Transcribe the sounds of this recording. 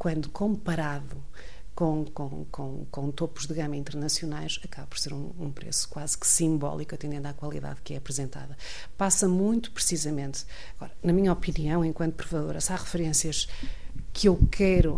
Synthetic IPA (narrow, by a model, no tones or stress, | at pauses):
kwɐ̃nd̪ukʰõmpɐɾaðu | kõkõkõkõt̪opuʒðɨɣɐmɐĩnt̪ɨɾnɐsijunajʃɐkaβɐpɔ̥ɾseɾũ | ũpɾḛsu̥kwaz̥ksĩmbɔ̰lˠikuɐt̪ẽnd̪ẽnd̪akwɐlˠḭða̰ðkɛɐpɾɨzẽnt̪a̰ðɐ | pasɐmũj̃t̪u̥pɾɨsizɐmẽnt̪ | ɐɣɔɾɐnɐmiɲɐɔpiniɐ̃w̃ẽkwɐ̃nt̪upɾɨvɐðoɾɐsaʁɨfɨɾẽsiɐʃ | kʰewkʰɛjɾu